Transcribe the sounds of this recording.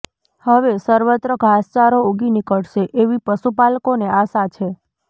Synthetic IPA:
həʋesəɾʋət̪ɾəɡʱast͡ʃaɾouɡinikəɽʃeʔeʋipəʃupalkoneasat͡ʃʰe

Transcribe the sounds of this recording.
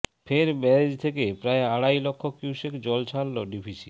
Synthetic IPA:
pʰeɾmɛɾed͡ʑt̪ʰekepɾaeaɽajlɔkʰːokiwsekd͡ʑɔlt͡ɕʰalːoɖipʰisi̥

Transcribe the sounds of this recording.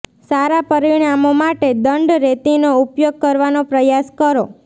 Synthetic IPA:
saɾapəɾiɽ̃amomaʈed̪əɳɖɾet̪inoupjoɡ̚kəɾʋanopɾəjaskəɾo

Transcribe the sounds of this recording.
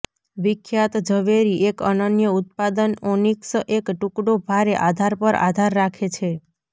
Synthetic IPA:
ʋikʰjat̪d͡ʒəʋeɾiʔekənənjəut̪̚pad̪ənoniksəʔekʈũkɽobʱaɾeʔad̪ʱaɾpəɾa̰d̪ʱaɾːakʰet͡ʃʰe

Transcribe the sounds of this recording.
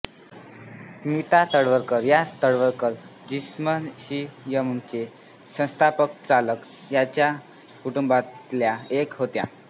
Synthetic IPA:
mit̪at̪əɽʋəɾkəɾjat̪əɽʋəɾkəɾd͡ʑismənɕijəmənt͡ɕe | sə̃st̪ʰapək̚t͡salək | jat͡ɕja | kuʈumbat̪ljaekɦot̪ja̰

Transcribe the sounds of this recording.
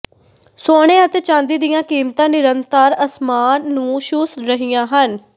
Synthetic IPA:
soːɽ̃eːət̪et͡ʃãːnd̪iːd̪ɪjãːkiːmt̪ãːnɪɾənt̪əɾəsmaːnːũːʃʊsɾəɦɪjãːɦən

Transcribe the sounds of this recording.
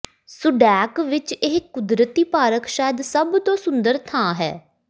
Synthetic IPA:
sʊɖɛːkʋɪt͡ʃɪɦkʊd̪ɾət̪iːpaːɾəkʃaːjəd̪səbt̪õːsʊ̃nd̪əɾt̪ʰãːɦɛ̰ː

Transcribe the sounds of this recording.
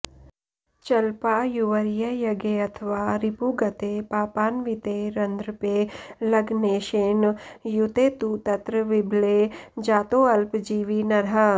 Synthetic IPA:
t͡ʃɐlpaːjuʋɐɾjɐjɐɡeɐt̪ʰəʋaːɾipuɡɐt̪epaːpaːnʋit̪eɾɐnd̪ɾpelɐɡneːʃeːnjut̪eːt̪ut̪ɐt̪ɾəʋɪbʱled͡ʒaːt̪oɐlpd͡ʒiːʋinɐɾɦɐ

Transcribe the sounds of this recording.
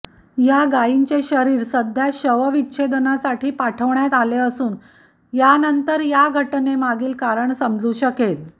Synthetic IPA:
jaɡaiɲt͡ɕeɕəɾiːɾsəd̪ʱjaɕəʋəʋitːɕʰed̪ənasaʈʰiːpaʈʰəʋɳjat̪aleəsuːn | janənt̪əɾjaɡʱəʈnemaɡiːlkaɾəɳsəmd͡zuːɕəkel

